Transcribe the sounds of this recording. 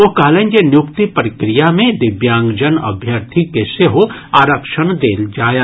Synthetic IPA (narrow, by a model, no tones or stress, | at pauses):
oɦkɐɦleːnd͡ʒenjʊkt̪ipɾɪkɾijamẽd̪ɪbjãːŋɡd͡ʒənɐ̰bʱjəɾt̪ʰikeseɦoaːɾəkʃəɳd̪eːld͡ʒaː